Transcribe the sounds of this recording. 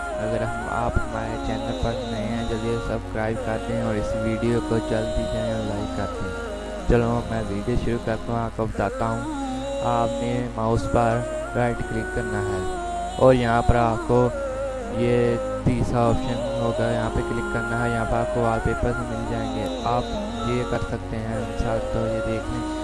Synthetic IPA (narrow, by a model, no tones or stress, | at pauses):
ɐɡəɾɦɐma̰ːpɦɐmaːɾet͡ʃɛːnəlpɐɾknɐẽɦɛ̃d͡ʒɐbesɐbskɾaːɪbkɐɾt̪eɦɛ̃ɔːɾɪsʋiːɖijokot͡ʃɐld̪iːd͡ʒaːẽɔːɾlaːɪkːɐɾt̪eɦɛ̃ | t͡ʃɐlõmɛ̃ːʋiːɖijoʃʊɾukɐɾt̪aɦũaːp̚kobɐt̪aːt̪aɦũ | aːpnemaːʊsbaːɾ | ɾaːɪʈklɪkːɐɾnaɦɛː | ɔːɾjɐɦãpɐɾaːp̚ko | je | d̪iːsaɔːpʃənɦoːɡaːjɐɦãpeklɪkːɐɾnaɦɛjɐɦãpɐɾaːp̚koʋaːpepəsmɪld͡ʒaːẽːŋɡe | aːp | jekɐɾsɐk̚t̪eɦɛ̃nsaːt̪t̪ojed̪eːkʰẽː